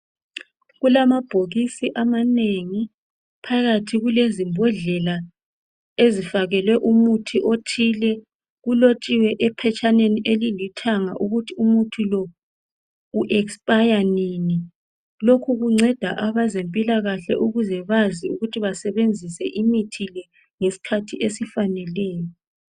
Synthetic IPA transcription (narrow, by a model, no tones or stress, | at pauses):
ɣulamab̥ʱoɣisiʔamaneŋi | pʰaɣatʰiɣulezimbʱɔɮɛla | ezifaɣɛlwɛʔumutʰiʔotʰilɛ | ɣulot͡ʃʼiwɛʔɛpʰɛt͡ʃʼaneniʔelilitʰaŋaʔuɣutʰiumutʰulɔ | uʔɛkspʼajanini | lokʰuɣuŋ͡ǀʱɛd̥ʱaʔaβazempʼilaɣaɬɛ̰ʔuɣuzɛβaziuɣutʰiβasɛβend͡zʱisɛʔimitʰilɛ | ŋesi̥kʰatʰiʔesifanɛlɛːjɔ